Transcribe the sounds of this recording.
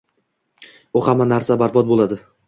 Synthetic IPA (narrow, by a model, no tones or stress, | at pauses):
ʊhamːanaɾsabaɾbɒt̪̚bolˠad̪ɪ